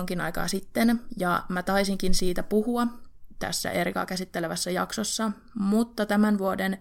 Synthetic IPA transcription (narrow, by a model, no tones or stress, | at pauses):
ŋkinɑ̰jkɑ̰ːsit̪ːenjɑmæt̪ɑisiŋkinsiːt̪æpuhuɑt̪æ̰sːæ̰ʔerkɑ̰ːkæsit̪ːeleʋæsːæjɑ̰ksosːɑ | mut̪ːɑt̪æmænʋuoden